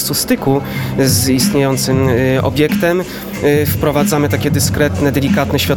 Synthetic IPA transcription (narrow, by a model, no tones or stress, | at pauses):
t̪sust̪ɘkuzist̪ɲejɔnt̪sɘmɔ̰bʲjɛkt̪ɛm | fpɾɔvad̪zamɘt̪akʲɛd̪ɘskɾɛt̪nɛd̪ɛlʲikat̪nɛɕfʲad̪̚